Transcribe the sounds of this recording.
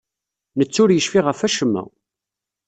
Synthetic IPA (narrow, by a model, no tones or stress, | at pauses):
nət͡sːʊɾjəʃfiʁəfæʃəmːæ̰